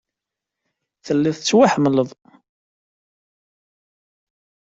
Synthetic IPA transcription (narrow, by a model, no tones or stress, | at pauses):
θəlːiθət͡sːwaħəmləvˤ